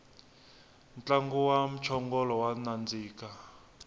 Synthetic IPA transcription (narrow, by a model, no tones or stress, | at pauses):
nt͡ɬʼaŋɡuwam̩t͡ʃʰɔŋɡɔlɔwanand͡ziːka